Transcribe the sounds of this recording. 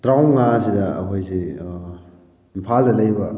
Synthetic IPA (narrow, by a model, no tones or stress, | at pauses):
tɾawŋasidɐ̰ːpʰojsi | impʰaldɐlɐjbɐ